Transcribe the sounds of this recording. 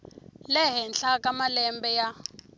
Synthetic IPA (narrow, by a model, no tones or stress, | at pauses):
lɛɦɛnɬakamalɛmbɛja